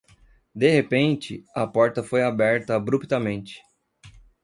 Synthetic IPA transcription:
d̪ehepẽnt͡ʃɪɐpɔɾt̪ɐfojabɛɾt̪ɐːbɾupt̪ɐmẽnt͡ʃɪ̥

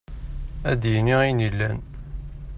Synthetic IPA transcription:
æd̪jniʁinilːæn

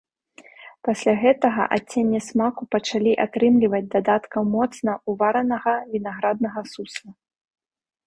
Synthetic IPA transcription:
pasʲlʲaɣɛt̪ɐɣɐ̰ʔat͡sʲːenʲːɛsmakupɐt͡ʂalʲiʔat̪ɾɨmlʲivɐd͡zʲd̪ad̪at̪kɐwmɔt̪snɐuvaɾɐnɐɣɐvʲinaɣɾad̪̚nɐɣɐsuslˠɐ

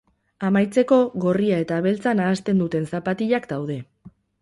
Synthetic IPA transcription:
amajt͡se̞ko̞ɣo̞riae̞t̪aβ̞e̞lt͡sanaːst̪e̞nd̪ut̪e̞nsapat̪iʎakd̪awð̞e̞

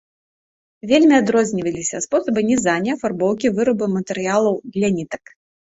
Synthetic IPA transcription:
vʲelʲmʲiad̪ɾɔzʲnʲivɐlʲisʲɐspɔsɐbɨnʲɛzanʲɛfarbɔwkʲivɨɾɐbɨmɐt̪ɨɾɨjalˠɐwd̪lʲanʲit̪ɐk

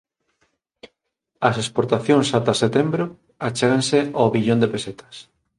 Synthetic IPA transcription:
ɐsespoɾt̪aθjõŋsat̪aset̪embɾo | at͡ʃeɣanseaβiʎõnd̪epeset̪ʰɐ̥s

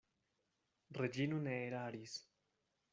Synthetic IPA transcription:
red͡ʒinuneeɾaaɾis

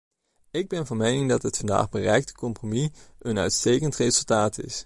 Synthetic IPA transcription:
ɪɡ̚bɛnvɑnmejnɪŋdɑtɦətfɑnda̰ːχbərɛjk̚tə̥kɔmpromiənœ̰ɥtstejkəntrezəlˠtaːtɪ̰s

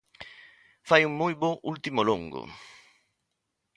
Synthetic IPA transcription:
fajuŋmujbɔʔult̪imolo̰ŋɡʊ̰

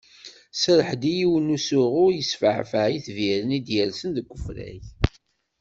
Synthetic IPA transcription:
səɾəħd̪ijiwənusʊʁʊjəsfəʕfəʕiθviɾənid̪jælsənðəkʷːəfɾæ̰ç

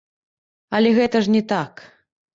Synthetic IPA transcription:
ɐlʲɛɣɛt̪ɐʐnʲɛt̪ak

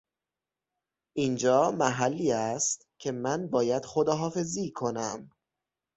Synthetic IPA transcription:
ʔind͡ʒɒːmæɦælːiːæst̪cʲʰe̞mænbɒːjæd̪̥xod̪ɒːɦɒːfe̞ziːkʰo̞næm

